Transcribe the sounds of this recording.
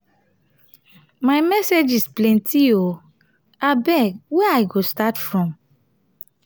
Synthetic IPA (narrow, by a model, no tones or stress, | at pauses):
majmɛsed͡ʒisplɛ̃ntʰio | abɛkwɛajɡostatfɹɔ̃m